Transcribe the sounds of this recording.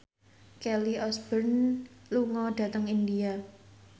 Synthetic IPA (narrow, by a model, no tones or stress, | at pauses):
kɛliʔɔsb̥ərnluŋɔɖ̥ä̤t̪əŋindia